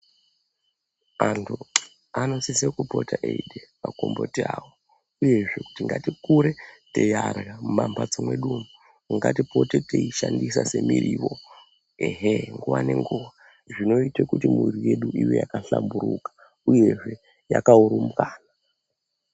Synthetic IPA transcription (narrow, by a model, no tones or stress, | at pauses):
antʰu | ano̞sisekupo̞taʔeidepakombotiaːwo | uje̞ʐe̞ku̥tiŋɡatikuɾetejarɣamumambad͡zomwe̞ɗumu | ŋɡatipo̞teteiʃandisase̞miriʋo̞ | eɦeŋɡuʋane̞ŋɡuʋa | ʐino̞itekutimirije̞ɗuijo̞jakaɬambuɾukḁ | uje̞ʐe̞ | ja̰kauɾumukaːna